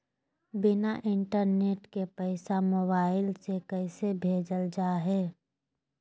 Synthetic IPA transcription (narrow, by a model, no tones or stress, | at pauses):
bɪnaʔɪɳʈəɾneːʈkepəɪsamoːbaːɪlsekɛɪsebʱeːd͡ʒəld͡ʒaːɦɛː